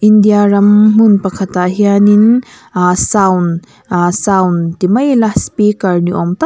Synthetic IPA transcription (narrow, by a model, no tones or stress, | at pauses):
indijaɾɐmmunpɐkʰɐtaɦijanin | sawn | sawnt̪imɐjlaspikɐɾniʔɔmt̪ɐ